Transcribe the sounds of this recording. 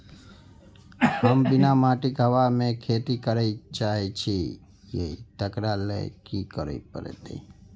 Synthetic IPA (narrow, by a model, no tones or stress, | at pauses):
ɦəmbɪnamaʈikɦəʋamẽkʰet̪ikəɾəit͡ʃaɦet͡ʃʰi | jḛit̪əkɾalḛkikəɾə̰ipə̰ɾḛt̪ḭ